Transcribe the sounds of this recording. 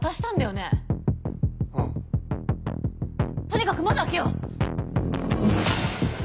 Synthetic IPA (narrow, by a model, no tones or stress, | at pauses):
t̪aɕi̥t̪ãnd̪ajo̞ne̞ | t̪o̞ɲ̟ʲikakɯ̟mad̪akʲeo